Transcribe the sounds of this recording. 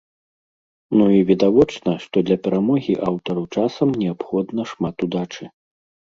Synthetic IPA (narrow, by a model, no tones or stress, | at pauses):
nuivʲid̪avɔt͡ʂnɐʂt̪ɔd̪lʲɐpʲɛɾamɔɣʲiʔawt̪ɐɾuwt͡ʂasɐmnʲɛapxɔd̪nɐʂmat̪ud̪at͡ʂɨ